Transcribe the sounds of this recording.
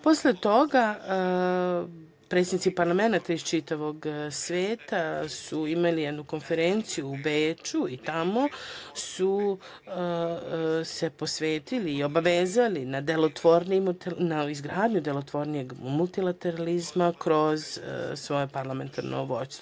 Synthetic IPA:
po̞slet̪o̞ɡa | pɾet̪senit̪ipaɾlˠame̞nat̪aist͡ʃit̪aʋo̞ɡsʋeːt̪asuimalijed̪nuko̞nfe̞ɾent̪sijuːbeːt͡ʃuit̪amo̞su | se̞po̞sʋe̞ːt̪iliːo̞baʋeːzalinad̪e̞lot̪ʋoɾnimut̪enaizɡɾaːd̪ɲud̪e̞lo̞t̪ʋo̞ɾnije̞ɡmulˠt̪ilˠat̪eɾalizmakɾo̞zsʋo̞jepaɾlˠame̞nt̪ʰa̰ɾnʔo̰ʋo̞̰st̪o

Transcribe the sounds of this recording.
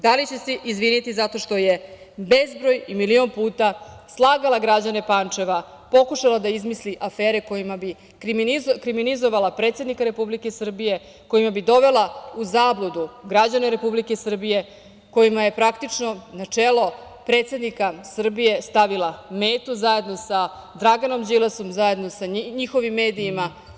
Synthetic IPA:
d̪alit͡ɕe̞seʔizʋinit̪izat̪o̞ʃt̪o̞je̞ | be̞zbɾo̞jimilio̞npuːt̪aslˠaːɡalˠaɡɾad͡ʑane̞pant͡ʂe̞ʋa | po̞kuʃalˠad̪aizmisliʔafeːɾe̞ko̞jimabi | kɾikɾiminizo̞ʋalapɾeːt̪se̞d̪nikaɾe̞publike̞sr̩bije̞ | ko̞jimabid̪o̞ʋe̞lˠauzaːblˠud̪uɡɾad͡ʑaneɾe̞publikesr̩bije̞ | ko̞jimaje̞pɾakt̪it͡ʂno̞nat͡ʂelo̞ | pɾeːt̪sed̪nikasr̩bije̞st̪aʋilˠameːt̪uzaje̞d̪no̞sa | d̪ɾaɡano̞md͡ʑileso̞mzaje̞d̪nosaɲixo̞ʋimːe̞ːd̪iːma

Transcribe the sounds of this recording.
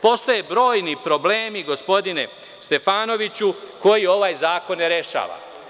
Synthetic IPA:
po̞st̪ojebɾo̞ːjnipɾo̞ble̞ːmiɡo̞spo̞d̪ine̞ | st̪e̞faːno̞ʋit͡ɕuko̞jio̞ʋaːjzaːko̞nːeɾe̞ʃa̰ːʋa̰

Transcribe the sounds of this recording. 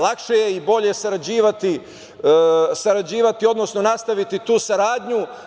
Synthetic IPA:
lakʃejeibo̞ʎe̞saɾad͡ʑiːʋat̪i | saɾad͡ʑiːʋat̪io̞d̪no̞sno̞nast̪aʋit̪it̪uːsaɾaːd̪ɲu

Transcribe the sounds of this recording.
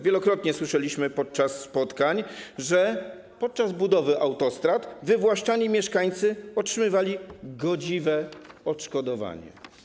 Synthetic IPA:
vʲjɛlɔkɾɔt̪ɲɛswɘʂɛlʲiɕmɘpɔt̪̚t͡ʂasːpɔt̪kaɲʐɛ | pɔt̪̚t͡ʂazbud̪ɔvɘʔawt̪ɔst̪ɾat̪vɘvwaʂt͡ʂaɲimʲjɛʂkaɲt̪sɘɔtʂɘmɘvalʲiɡɔd͡ʑivɛɔtʂkɔd̪ɔva̰ɲɛ̰

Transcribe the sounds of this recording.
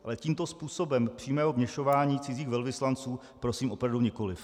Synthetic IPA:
ʔalɛciːmt̪o̞spuːso̞bɛmpr̝̥iːmɛːɦomɲɛʃo̞vaːɲiːt͡sɪziːxvɛlvɪslant͡suː | pɾo̞siːmo̞pɾavduɲɛko̞lɪf

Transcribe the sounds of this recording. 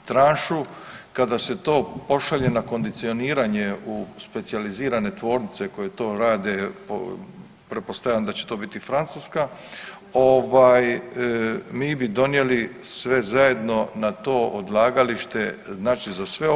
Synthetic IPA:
t̪ɾaːnʃu | kad̪ase̞t̪o̞ːpo̞ʃaʎe̞nako̞nd̪it̪sio̞niːɾaɲe̞uspe̞t̪sializiːɾane̞t̪ʋo̞ːɾnit̪se̞ko̞je̞t̪o̞ːɾaːd̪e̞po̰ | pɾepo̞st̪ajand̪at͡ɕet̪o̞ːbit̪ifɾant̪suska | oʋaːj | miːbid̪o̞nje̞lisʋe̞zaje̞d̪no̞nat̪o̞ːʔod̪lˠaːɡaliʃt̪e̞znaːt͡ʃizasʋe̞

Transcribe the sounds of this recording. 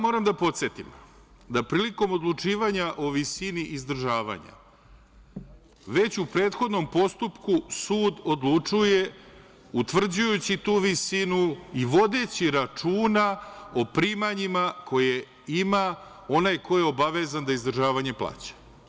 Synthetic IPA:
mo̞ːɾamd̪apo̞t̪set̪im | d̪apɾiːliko̞mo̞d̪lˠut͡ʂiːʋaɲaʔo̞ʋisiniʔizd̪r̩ʒaːʋa̰ɲa̰ | ʋe̞t͡ɕupɾeːt̪xo̞d̪no̞mpo̞st̪upkusuːd̪o̞d̪lˠut͡ʂuje̞ | ut̪ʋr̩d͡ʑujut͡ɕit̪uːʋisinuiʋo̞d̪e̞t͡ɕiɾat͡ʂuːnao̞pɾiːmaɲimakʰo̞je | ima | o̞najko̞jeo̞baʋe̞zand̪aizd̪r̩ʒaːʋaɲe̞plˠa̰ːt͡ɕḁ

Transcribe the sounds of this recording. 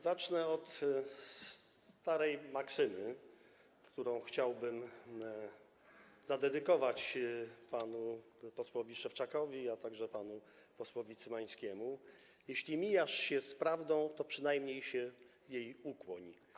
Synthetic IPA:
zat͡ʂnɛɔt̪s | t̪aɾɛjmaksɘmɘ | kt̪uɾɔ̃w̃xt͡ɕawbɘm | zad̪ɛd̪ɘkɔvat͡ɕpanu | pɔswɔvʲiʂɛft͡ʂakɔvʲiat̪aɡʐɛpanu | pɔswɔvʲit̪sɘmaɲ̃skʲɛmu | jɛɕlʲimʲijaʂɕɛspɾavd̪ɔ̃w̃t̪ɔpʂɘnajmɲejɕɛ | jejukwɔɲ

